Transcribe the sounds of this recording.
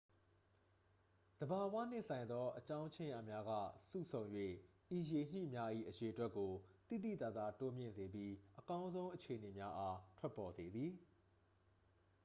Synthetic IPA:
d̪̥əba˨wä̰˦˨n̥ɪ̰̃˦ʔsã˨ɪ̃nd̪ɔ˦ʔət͡ɕã˦ʊ̃t͡ɕʰɪ̃˦jʔa̰˦˨mja˦ɡä̰˦˨sṵ˦˨sʰõ˨ʊ̃jwḛ˦˨ | ʔi˨je˨ɲ̥ḭ˦˨mja˦ʔḭ˦˨ʔəje˨ʔətwɛ˦ʔkːo˨t̪ḭ˦˨d̪ḭ˦˨t̪a˦˨d̪a˦˨to˦mjɪ̰̃˦˨nze˨bji˦ʔəkã˦ʊ̃nzõ˦ʊ̃ʔət͡ɕʰe˨əne˨mja˦ʔa˦tʰwɛ˦pːɔ˨ze˨d̪ði˨

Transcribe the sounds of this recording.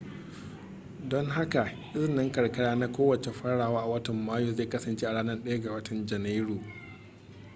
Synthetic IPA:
dɔ˦ŋɦa˦ka˨ʔɪ˦zɪ˨nːɪ˦ŋkɐ˨ɽkɐ˦ɽaː˦na˦kʷoː˦wɐ˨t͡ʃe˨ɸɐ˦ɽaː˨waː˦ʔa˨wɐ˦tɐ˨mːaː˦joː˦˨zeː˦˨kɐ˦sɐ˨nt͡ʃeː˦ʔa˨ɽaː˦nɐ˦rɗɐ˦ja˦ɡa˨wɐ˦tʰɐ˨nd͡ʒɐ˨na˦jɽoː˨

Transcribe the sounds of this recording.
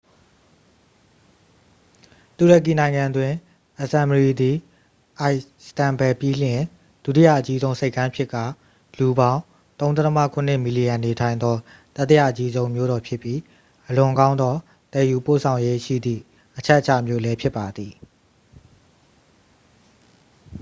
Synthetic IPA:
t̪u˨ɹə˨k̬i˨nã˨ɪ̃ŋã˨dwɪ̃˨ | ʔə˨sã˨məɹi˨d̪i˨ | ʔa˨ɪstã˨mbɛ˨pji˦lɪ̃˨ | d̥ṵ˦˨ti˦ja̰˦˨ʔət͡ɕi˦zõ˦ʊ̃se˦ɪkːã˦pʰjɪ˦ʔkːa̰˦˨ | lu˨bã˦ʊ̃ | t̪õ˦t̪ɛ˦tʰəmä̰˦˨kʰʊ̃˨n̥ɪ˦ʔmi˨li˨jã˨ne˨tʰã˨ɪ̃nd̪ɔ˦ | t̪a˦t̪ːə˦ja̰˦˨ʔət͡ɕi˦zõ˦ʊ̃mjo˦ɾɔ˨pʰjɪ˦pːji˦ | ʔəlʊ̃˨kã˦ʊ̃nd̪ðɔ˦ | t̪ɛ˨ju˨po̰˦˨sʰã˨ʊ̃je˦ʃḭ˦˨d̪ðḭ˦˨ | ʔət͡ɕʰɛ˦ʔət͡ɕʰä̰˦˨mjo̰˦˨lɛ˦pʰjɪ˦pːa˨d̪ði˨

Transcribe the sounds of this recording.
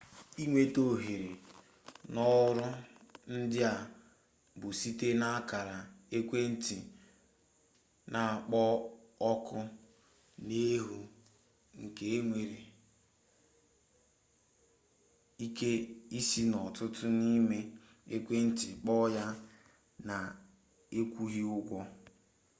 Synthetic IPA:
i˦ŋʷe˦to˨ɦe˨ɾe˨ | nɔ˦ɾʊ˦n̩˦dɪ˦a˨ | bʊ˨si˦te˦na˦ka˨ɾa˨e˦kʷe˦n̩˦ti˨ | nʔa˨a˨k͡pɔ˦ɔ˦kʊ˦ | ne˦ɦu˦ | ŋ̩˨ke˨e˦ŋʷe˨ɾe˨ | i˦ke˦i˦si˦nɔ˨tʊ˦tʊ˦ni˦me˦ | e˦kʷe˦n̩˦ti˨k͡pɔ˦ja˦ | na˨ | e˦kʷu˦ɦi˦ʊ˦ɡʷɔ˦

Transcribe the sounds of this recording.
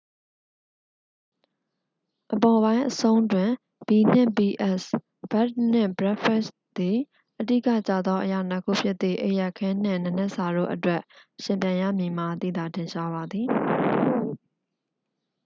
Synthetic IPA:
ʔəpɔ˨βã˦ɪ̃ʔəsõ˦ʊ̃ndwɪ̃˨ | b̥i˨n̥ɪ̰̃˦˨bi˨ʔɛ˦s | b̥ɛ˦t̚n̥ɪ̰̃˦˨bəɹɛ˦ʔfʰɛ˦˨s | d̪i˨ | ʔədḭ˦kä̰˦˨t͡ɕa̰˦˨d̪ðɔ˦ʔəja̰˦˨nə˦kʰṵ˦˨pʰjɪ˦t̪ːðḭ˦˨ʔə˦˨jɛ˦ʔkʰɛ̃˦n̥ɪ̰̃˦˨nə˨nɛ˦ʔsa˨ɾo̰˦˨ʔətwɛ˦ʔʃɪ̃˨mpjã˨ɪ̃ja̰˦˨mji˨m̥a˨t̪ḭ˦˨d̪a˨tɪ̃˨ʃa˦βa˨d̪ði˨

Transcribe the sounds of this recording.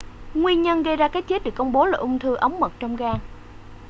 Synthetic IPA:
ŋwi˧əɲə˧nɣə˧jzaː˧kaː˨˦˥k̚t͡ɕe˦˥t̚ɗɨ˨˩əkːə˧wŋ͡mɓo˨˦laː˨˩ʔʊ˧wŋ͡mt̪ʰɨ˧ʔə˨˦wŋ͡mmə˨˩t̚t͡ɕɔ˧wŋ͡mɣaː˧ŋ

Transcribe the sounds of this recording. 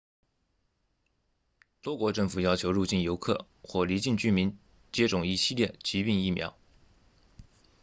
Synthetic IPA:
t̪wɔ˥kwɔ˧˥ʈ͡ʂɤ˥˩ŋfu˨˩jɑ˥ʊt͡ɕʰjo˧˥ʊɻu˥˧t͡ɕi˥˩njo˧˥ʊkʰɤ̰˥˩ | xwɔ˥˩li˧˥t͡ɕi˥˩nt͡ɕy˥mi˧˥n | t͡ɕjɛ˥ʈ͡ʂʊ˨˩ŋi˧˥ɕi˥˧ljɛ˥˩t͡ɕi˧˥pi˥˧ŋi˥˩mjɑ̰˧˥ʊ

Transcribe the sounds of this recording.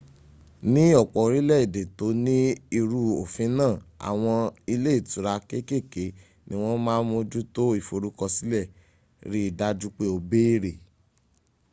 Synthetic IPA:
nĩ˦ɔ˦˨k͡pɔ˨˦ɾi˦lɛ˦˨i˨de˨to˨˦nĩ˦i˧ɾu˧o˨fĩ˨˦nãː˦˨a̰˨w̃ɔ̃˧i˧le˦i˦˨tu˨ɾa˧ke˦ke˦˨ke˨˦ | nĩ˦w̃ɔ̃˦mãː˦mo˧d͡ʒu˦to˦i˦˨fo˨ɾu˧˦kɔ˧si˦lɛ˦˨ | ɾi˦i˦˨da˧d͡ʒu˦k͡pe˦o˧be˦i˦˨ɾe˨

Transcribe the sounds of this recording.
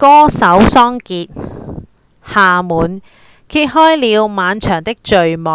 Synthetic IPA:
kɔː˥sɐ˨˥wsɔː˥ŋkiː˧t̚ | haː˨˩muː˨˧n | kʰiː˧˥t̚ɦɔː˥jliː˨˧wmaː˨˧nt͡ʃʰœː˨˩ŋt̪ɪ˥k̚t͡ʃɵ˨ɥmɔ˨

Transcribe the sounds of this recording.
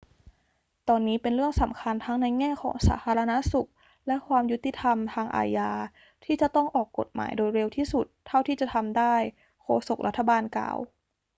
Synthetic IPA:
t̪ɔː˧nːiː˦˥pe˧nɾɯ˥˩əŋsa˩˦mkʰa˧nt̪ʰa˦˥ŋna˧jŋɛː˥˩kʰɔ̰ː˩˦ŋsa̰ː˩˦t̪ʰaː˧ɾa˧na˦˥su˨˩k̚ | lɛ˦˥ʔkʰwaː˧mju˦˥t̪ːi˧˨˩t̪ʰa˧mt̪ʰaː˧ŋʔa̰ː˧jaː˧ | t̪ʰiː˥˩t͡ɕa˨˩t̪ɔ˥˩ŋʔɔː˨˩kːo̰˨˩t̪̚ma̰ː˩˦jdoː˧jɾe˧wt̪ʰiː˥˩su˨˩t̪ʰːa˥˩wt̪ʰiː˥˩t͡ɕa˨˩t̪ʰa˧mdaː˥˩j | kʰoː˧so˨˩k̚la̰˦˥t̪ʰːa˧baː˧nka̰ː˨˩w

